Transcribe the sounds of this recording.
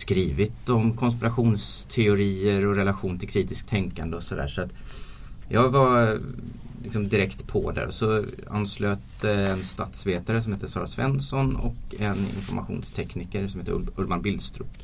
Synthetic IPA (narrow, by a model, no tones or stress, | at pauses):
skɾiːvɪt̪ɔmkʰɔns̬pɪɾaɧuːnst̪ʰɛʊɾiːəɾɔɾɛlaɧuːnt̪ʰɪlkʰɾiːt̪ɪsk̚t̪ʰɛŋkand̪əɔsɔd̪æ̰ːʂɔat̪ | jɑːɡva | lɪksɔmd̪ɪɾɛkt̪pʰɔ̰d̪æ̰ːɾɔsɔ | a̰nːsløːt̪əɛnst̪at̪sveːt̪aɾəs̬ɔmheːt̪əsɑːɾasvɛ̰nsɔnɔ̰kːɛnɪ̰nfɔɾma̰ɧṵːnst̪ʰɛknikəɾsɔmheːt̪əɵlmanbɪlst̪ɾʉ̰ː